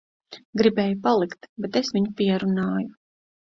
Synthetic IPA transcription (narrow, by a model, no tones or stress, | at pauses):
ɡɾibɛːjupalˠikt̪bɛt̪esviɲupiɛɾunaːju